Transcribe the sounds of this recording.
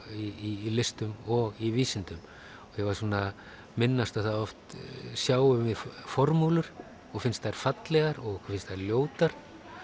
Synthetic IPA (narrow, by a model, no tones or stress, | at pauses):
iilɪst̪ʏmɔɣiviːsɪnt̪ʏm | ɔjɛvaɾsuːna | mɪnːast̪aθaðɔft̪sjaːwʏvɪðfɔɾmuːlʏɾ̥ | ɔɣfɪnst̪aɾ̥fat̪lɛɣaɾɔɣkfɪnst̪aɾljoːwt̪aɾ